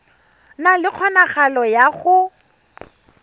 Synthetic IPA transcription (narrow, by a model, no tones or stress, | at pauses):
nalɪq͡χʰɔnaχalɔjaχʊ